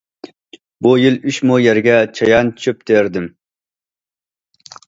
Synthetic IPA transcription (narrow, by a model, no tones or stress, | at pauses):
bujilyʃmujɛɾɡʲɛt͡ʃʰɑjɑnt͡ʃʰøp̚d̪̥eɾd̪ɪm